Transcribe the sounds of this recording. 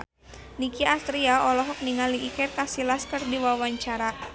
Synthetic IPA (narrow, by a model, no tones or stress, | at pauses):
nikiast̪ɾiaɔlɔɦɔk̚niŋaliʔːkɪrkasilaskərdiwawaɲt͡ʃaɾa